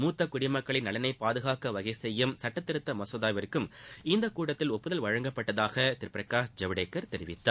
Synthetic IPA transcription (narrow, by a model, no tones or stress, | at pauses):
muːt̪ːɐkːʊɽɪmɐkːɐɭɪnːɐlɐnɐɪpaːðɯɣaːkɐʋɐɣɐɪsɛjːɯmsɐʈːɐt̪ːɪɾɯt̪ːɐmɐsɔðaːjʋɐɾkːɯmɪnd̪ɐkuːɽɐt̪ːɪlɔpːɯðɐlʋɐɻɐŋɡɐpːɐʈːɐðaːɣɐt̪ɪɾpɪɾɐkaːsd͡ʒɐʋɪɽeːkːɐɾt̪ɛɾɪʋɪt̪ːaː